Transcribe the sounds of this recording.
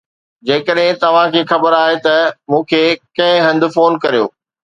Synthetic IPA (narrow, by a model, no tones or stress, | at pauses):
d͡ʑeːkəɗɦɪ̃t̪ɐʋ̤ãkʰeːxɐbəɾaːɦet̪ɐmũːkʰeːkɐ̃ɦɪ̃ɦɐ̃nd̪ɪfoːnkɐɾijo̰ː